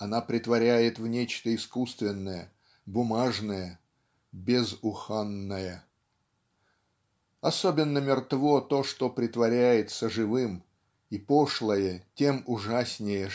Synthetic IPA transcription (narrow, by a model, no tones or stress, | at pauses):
ɐnapɾʲɪt̪vɐɾʲæjɪt̪vnʲet͡ɕt̪əɪskust̪vʲɪnːəjə | bʊmaʐnəjə | bʲɪzʊxanːəjə | ɐsobʲɪnːəmʲɪrt̪vo̞t̪o̞ʂt̪o̞pɾʲɪt̪vɐɾʲæjɪt̪səʐɨvɨm | ipo̞ʂlˠəjətʲe̞mʊʐasʲnʲɪjə